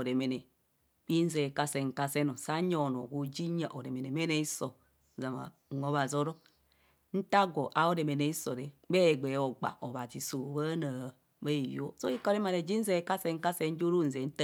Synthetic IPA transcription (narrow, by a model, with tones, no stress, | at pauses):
o˨ɾe˨me˨ne˨ | k͡pi˦n̩˦ze˨ka˦se˨ŋ̩˨ka˦se˦no˨sa˦ɲo˨no˨ɡu˨d͡ʒi˦ɲa˨ʔo˨ɾe˨me˨ne˨me˦ne˦i˦so˨ | za˨ma̰˨o˦βa˨zo˦ɾo˦ | n̩˦ta˦ɡo˨ʔa˨˦o˦ɾe˨me˨ne˨i˦so˨ɾe˨˦be˦˨ɡ͡be˨˦o˨ɡ͡ba̰˨ʔo˨βa˨d͡ʒi˨so˨ba˦na˨ | be˦i˨jo˦so˦i˦ko˦ɾe˦ma˨ɾe˨d͡ʒi˦n̩˦ze˦˨ka˦se˦ŋ̩˦ka˦se˦n̩˦d͡ʒo˦ɾu˦˨n̩˨ze˨n̩˦ta˦